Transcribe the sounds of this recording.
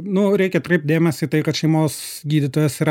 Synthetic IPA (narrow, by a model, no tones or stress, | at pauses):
nʊɾʲɛɪkʲɛt̪ɾɐɪpt̚d̪ʲeːmʲɛsʲit̪ɐɪkɐt̪ʃʲɛɪmoːs | ɡʲiːd̪ʲɪt̪oːjɛsiɾ